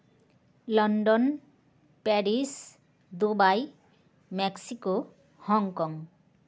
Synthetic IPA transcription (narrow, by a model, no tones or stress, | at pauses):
lɔnɖɔn | pɛɾis | d̪ubaj | mɛksiko | hɔŋkɔŋ